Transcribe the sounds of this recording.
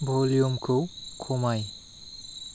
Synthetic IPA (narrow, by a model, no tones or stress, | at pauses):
bʱɔljumkʰɯkʰɔmaj